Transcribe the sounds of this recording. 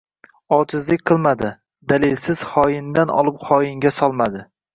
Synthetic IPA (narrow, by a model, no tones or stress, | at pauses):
ɒt͡ʃʰɪzlɪk̚ʲqʰɨlˠmad̪ɪ | d̪alɪlsɪz̥χɒjɪnd̪anɒ̰lˠɪpχɒjɪŋɡʲasɒlˠmad̪ɪ